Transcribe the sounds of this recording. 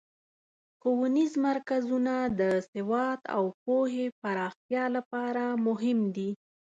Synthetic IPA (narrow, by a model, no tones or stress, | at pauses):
towanizmaɾkazunad̪əsɪwɑd̪a̰wp̚oɦepaɾɑxt̪jɑlapɑɾamʊɦɪmd̪i